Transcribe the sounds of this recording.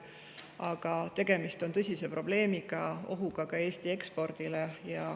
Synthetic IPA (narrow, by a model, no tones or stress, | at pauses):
ɑɡ̥ɑt̪e̞ɡ̥e̞mist̪o̞nt̪ɤ̞sʲise̞pro̞b̥le̞ːmiɡ̥ɑo̞̰ɦuɡ̥ɑkɑe̞ːst̪ie̞kspo̞rd̪̥ile̞jɑ